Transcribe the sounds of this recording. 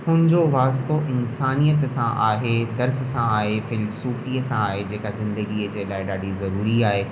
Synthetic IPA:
hʊnɪ̃d͡ʑoʋaːst̪oʔɪnsaːnijət̪sãʔaːɦed̪ɐɾsəsãaːɦefɪlsuːfiːəsãaːɦed͡ʑeːkazɪ̃nd̪əɡiːəd͡ʑeːlaːɪɗaːɖizɐɾuːɾiaːɦe

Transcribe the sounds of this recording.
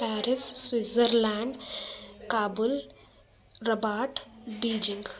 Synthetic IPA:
pɛːɾɪsswizəɾlɛ̃ːɳɖkaːbʊl | ɾɐbaːʈbiːd͡ʒɪ̃ŋɡ

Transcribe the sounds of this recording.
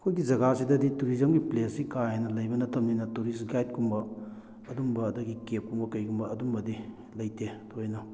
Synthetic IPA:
ɐkʰojɡid͡ʒɐɡasidɐdituɾizɐmɡiplesikahejnɐlɐjbɐnɐtʰɐmninɐtuɾisɡajt̚kʰumbɐː | dumbɐːdɐɡikep̚kuŋbɐkɐjɡumbɐɐdumbɐdi | lɐjtʰetojnɔ

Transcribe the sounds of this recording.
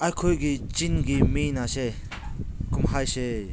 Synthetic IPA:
ajkʰojɡit͡ʃinɡiminase | kumɦajse

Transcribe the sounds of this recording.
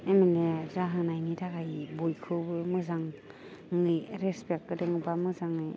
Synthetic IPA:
eminezaɦanajnitʰakajbojkʰɯbɯmɯzaŋ | ŋɯjɾespek̚ɡɯdeŋɯbamɯzaŋɯ

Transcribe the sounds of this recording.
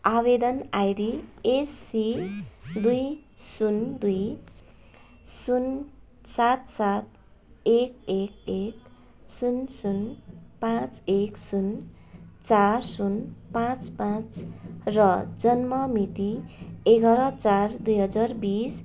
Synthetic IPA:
aβed̪ʌnajɾiesːi | d̪ujsund̪uj | sun | sat̪sat̪̚ | ekek̚ek̚ | sunsunpãt͡seksun | t͡sarsunpãt͡spãt͡srʌd͡zʌnmʌmit̪ieɡʌɾʌt͡sard̪ujɦʌd͡zarbis

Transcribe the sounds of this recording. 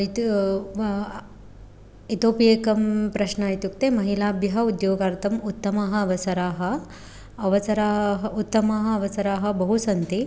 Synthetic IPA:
t̪ | it̪oːpijeːkɐmpɾɐʃnɐjit̪juk̚t̪eːmɐɦilaːbjɐɦɐ̆ud̪joːɡaːɾt̪ʰɐmut̪ːɐmaɦɐːʋɐsɐɾaːɦɐː | ʋɐsɐɾaːɦɐut̪ːɐmaːɦɐɐʋɐsɐɾaːɦɐ̆bɐɦusɐnt̪i

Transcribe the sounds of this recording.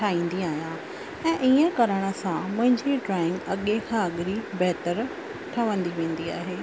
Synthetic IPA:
ʈʰaːĩːn̆d̪iaːɦijã | ɛ̃ːʔiːə̃kɐɾəɽ̃ə̆sãmʊ̃ɦɪ̃ɲd͡ʑiʈɾaːɪ̃ŋɡɐɠekʰãɐɠɪɾibɛɦt̪əɾ | ʈʰɐʋə̃nd̪iʋẽːn̆d̪ia̰ːɦeː

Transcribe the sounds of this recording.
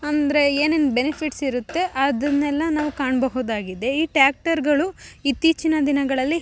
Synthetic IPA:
ɐnd̪ɾe̞eːnend̪benipʰiʈsiɾut̪ːe̞ʔɐd̪ɐnːɛlːɐnaːʋukaːɳbɐɦud̪aːɡid̪e̞iːʈjaːk̚ʈɐɾɡɐɭuit̪ːiːt͡ʃinɐd̪inɐɡɐɭɐlːi

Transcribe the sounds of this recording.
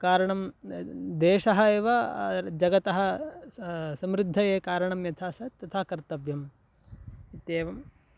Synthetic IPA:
kaːɾɐɳɐm | d̪eːʃɐɦɐeːʋɐd͡ʒɐɡɐt̪ɐɦɐ̆ | sɐmɾɪd̪ʱːɐjeːkaːɾɐɳɐmjɐt̪ʰaːsɐt̪ːɐt̪ʰaːkɐɾt̪ɐʋjɐm | it̪jeːʋɐm

